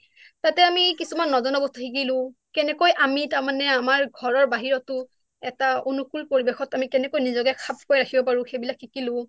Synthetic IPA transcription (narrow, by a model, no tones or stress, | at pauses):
tatɛamikisumanːɔzɔnɔbɔstuxʰik̬ilʊ̃kɛnɛkojʔamitaɹmanɛamaɹɡʱɔɹɔɹbaɦiɹɔtʊ | ɛtaonukulpoɹibɛxɔtamikɛnɛkojnizɔkɛkʰap̚kojɹakʰibɔpaɹʊ̃xejbilakːikilʊ̃